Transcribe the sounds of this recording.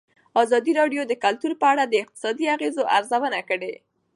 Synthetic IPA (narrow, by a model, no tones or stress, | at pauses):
ɑzɑd̪iɾɑɖjod̪əkalt̪uɾpəaɽad̪əɪq̚t̪ɪ̥sɑd̪iaɣezoʔaɾzawənakəɽe